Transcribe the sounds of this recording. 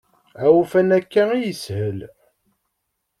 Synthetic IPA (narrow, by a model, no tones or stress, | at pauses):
æwfænækːæijəshəl